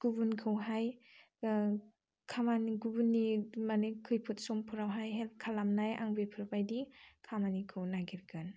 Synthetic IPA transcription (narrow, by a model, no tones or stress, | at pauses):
ɡ̥ubunkʰɯwɦaj | kʰamaniɡubunːimanɯkʰɯjpʰɯt̚sɔmpʰuɾawɦajɦelp̚kʰalamnaja̰ŋbepʰɯɾbajdikʰamanikʰɯwnaɡiɾɡɯn